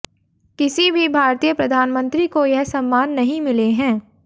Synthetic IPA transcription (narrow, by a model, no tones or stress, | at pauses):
kɪsibʱibʱaːɾt̪ijəpɾɐd̪ʱaːnmə̃nt̪ɾikojɛɦsɐ̃mːaːnːɐɦĩmɪleɦɛ̃ː